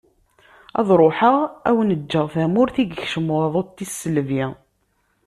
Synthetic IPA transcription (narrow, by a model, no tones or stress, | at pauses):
ɑ̰ðˤɾˤoħəʁæwnəd͡ʒːəʁθæmʊɾθiɡçʃəmwɑðˤot̪ːisːəlvi